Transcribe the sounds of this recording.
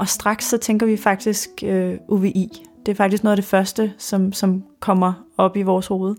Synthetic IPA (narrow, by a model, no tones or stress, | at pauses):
ʔɒ̽sd̥ʁɑ̈ɡ̥sːɒ̽t͡sʰeŋɡ̥ɐʋifɑ̈ɡ̥̚d̥isɡ̥øʔuʋe̝ʔḭd̥e̝æɐfɑɡ̥d̥isɡ̥noːðˠd̥e̝fɶɐsd̥əsɒ̽msɒ̽mkʰɒ̽m̰ɐɒ̽b̥iʋɒːsho̝ːð̞ˠ